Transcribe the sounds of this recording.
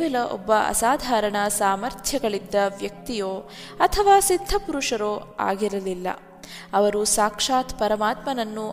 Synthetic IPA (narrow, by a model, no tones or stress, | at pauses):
ʋɛlɐʔɔ̰bːɐʔɐ̰saːd̪ʱaːɾɐɳɐsaːmɐɾt̪ʰjɐɡɐɭid̪ːɐʋjɐk̚t̪ijoː | ɐt̪ʰɐʋaːsid̪ʱːɐpuɾuʂɐɾoːa̰ːɡiɾɐlilːɐ̰ | ɐʋɐɾusaːkʂaːt̪pɐɾɐmaːt̪mɐnɐnːu